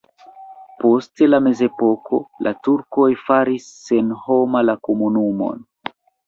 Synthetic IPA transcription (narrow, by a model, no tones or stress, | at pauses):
po̞ste̞lame̞ze̞po̞ko̞̰lʔatuɾko̞jfaɾisːe̞nho̞malakomunumo̞̰n